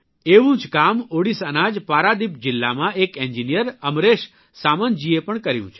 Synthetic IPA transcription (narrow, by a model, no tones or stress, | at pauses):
eʋũd͡ʒkamoɽisənad͡ʒpaɾad̪ipd͡ʒɪlːamãekɛɲd͡ʒinijəɾəmɾeʃ | samənd͡ʒiepəɳkəɾjṵ̃t͡ʃʰe